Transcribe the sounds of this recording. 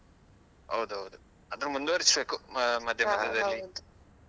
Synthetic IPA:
ɦɐ̰wd̪uɦɐwd̪u | ɐd̪ɐɾmund̪uʋɐɾisbeːkumɐd̪ʱjɐmɐd̪ʱːɐd̪ɐlːi

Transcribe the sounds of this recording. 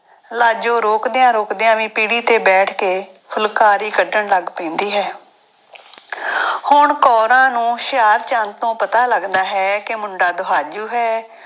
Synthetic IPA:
laːd͡ʒõːɾoːkd̪eãːɾoːkd̪eːãːʋĩːpiːɽiːt̪eːbɛːʈʰkeː | pʰʊlkaːɾiːkəɖəɳləɡpɛ̃ːnd̪iːɦɛː | hʊɳkɔːɾãːnũːʃjaːɾt͡ʃãnt̪õːpət̪aːləɡd̪aːɦɛːkemʊɳɖaːd̪ʊɦaːd͡ʒuːɦɛː

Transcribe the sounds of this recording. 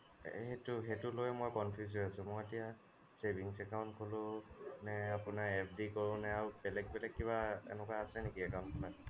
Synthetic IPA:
hɛtʊɦetʊlojmojkɔnpʰjuz̬ojasʊ̃mojetija | sebiŋsɛkawntkʰolʊnɛapʊnaɛp̚ʰdikoɹʊ̃nɛaɹubɛlɛk̚bɛlɛkːiβaḛnɛkaːsɛnekiɛkaw̃ntkʰɔpa

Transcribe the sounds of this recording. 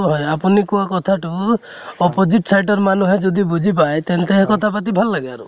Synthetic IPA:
ɦɔjapunikuakɔt̪ʰaʈu | ɔpɔd͡ʒiʈsajʈɔɾmanuɦɔd͡ʒɔd̪ibud͡ʒʱip̬ajt̪ent̪eɦkɔt̪ʰapat̪̬ibʱalːaɡaɾṵ

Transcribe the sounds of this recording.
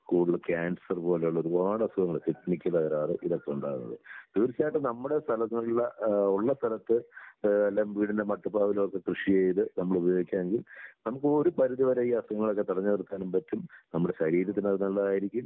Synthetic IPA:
skuːɽilːɐkaːnɖsɐrpo̞ːlejuɭːɐo̞ɾuʋaːɽɐsuɣɐŋːɐɭt̪ipnikʲːɐðɐɣɐɾaːðɨʔiðokːeuɳɖa̰ːɣṵnːɐ̰ðɨ̰d̪̥uːɾisaːjʈːɨnɐmːuɽe̞st̪ʰɐlɐt̪ːnɐɭːɐuɭːɐst̪ʰɐlɐt̪ːɨɐlːɐmbiːɽindemɐʈːupːaːʋilokːekrɨʂijeːjðɨnɐmːɐɭubɐjoːɡikʲːaːneŋɡilnɐmukːɨoɾupɐɾuðiʋɐɾejiɐsuɣɐŋːɐɭo̞kːet̪iɽɐɲːɐʋɐrut̪ːaːnumpɐtːumnɐmːuɽe̞ɕɐɾiːɾɐt̪ːinɐðnɐlːɐðaːjiɾikʲːum

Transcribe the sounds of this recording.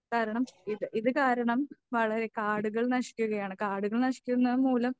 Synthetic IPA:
kaːɾɐɳɐmiðɨʔiðɨkaːɾɐɳɐmʋɐɭɐɾe̞kaːɽuɣɐɭnɐɕi̥kʲːuɣɐjaːɳɨkaːɽuɣɐɭnɐʂi̥kʲːunːɐðɨmuːlɐm

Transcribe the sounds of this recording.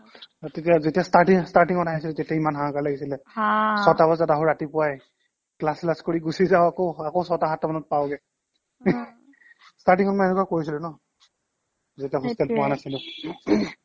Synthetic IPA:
tet̬ijazetiastatiŋstaɹtiŋɔtaɦis̬ilɛtetiaimanɦãakaɹlaɡisilɛsɔtabɔzadaɦuɹatipʊaj | klaslaskoɹiɡusizaʊakoakowsɔtaɦatɔmanɔt̚pawɡɛ | staɹtiŋɔtmaɛnukakoɹisilʊnɔ | zetiaɦustɛalpɔanasilʊ̃

